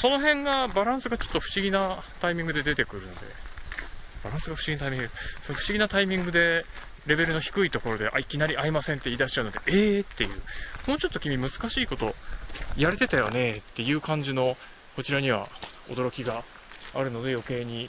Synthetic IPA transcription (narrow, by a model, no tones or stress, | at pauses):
so̞no̞ɦẽ̞ŋɡabaɾãɰ̃sɨɡat͡ɕo̞t̪ːoɸɯ̟̥ɕiɡʲinat̪aimʲĩŋɡɯ̟d̪e̞d̪e̞t̪e̞kɯ̟ɾɯ̟no̞d̪e̞̰ | b̥aɾãɰ̃sɨɡaɸɯ̟ɕiɡʲinat̪aimʲiŋɡɯsonɸɯ̟ɕiɡʲinat̪aimʲĩŋɡɯ̟d̪e̞ | ɾe̞be̞ɾɯ̟no̞çi̥kɯ̟it̪o̞ko̞ɾo̞d̪e̞ʔa̰ikʲinaɾʲiaimasẽnt̪ːe̞iːd̪aɕi̥t͡ɕaɯnod̪e̞ʔeːt̪ːe̞jɯ̟̰ːmo̞ːt͡ɕo̞t̪ːo̞kʲimʲimɯ̟zɨ̥kaɕiːko̞t̪o̞jaɾet̪e̞t̪ajo̞̰ne̞t̪ːe̞jɯ̟ːkãɲ̟d͡ʑino̞ | ko̞t͡ɕiɾaɲ̟iβ̞a̰ | o̞̰d̪o̞ɾokʲiɡa | aɾɯ̟no̞d̪e̞jo̞ke̞ːɲ̟i